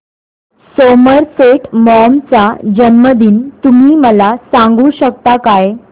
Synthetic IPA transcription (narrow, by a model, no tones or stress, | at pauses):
soməɾseʈmɔmt͡sad͡ʑənməd̪iːnt̪umiːməlasãŋɡuːɕəkt̪akaj